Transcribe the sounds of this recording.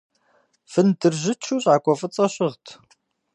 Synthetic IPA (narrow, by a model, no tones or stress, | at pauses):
fɨndɨrʑɪt͡ʃʰuːɕʼʕaːkʷʼɔfɨt͡sʼɐɕɪʁtʰ